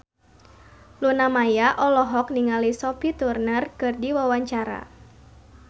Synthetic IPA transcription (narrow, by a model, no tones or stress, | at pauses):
lunamajaʔɔlɔɦɔk̚niŋalisɔpit̪urnərkɨrdiwawaɲt͡ʃaɾa̰